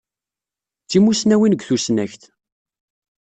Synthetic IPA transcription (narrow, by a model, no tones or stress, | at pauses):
t͡sːimusnæwinəɡθusnæçt̪